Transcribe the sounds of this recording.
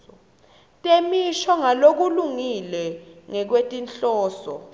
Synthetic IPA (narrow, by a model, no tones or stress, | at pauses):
ɔ | tʼemiʃɔŋalok̬uluŋilɛŋɛk̬wetʼinɬʼɔːsɔ̰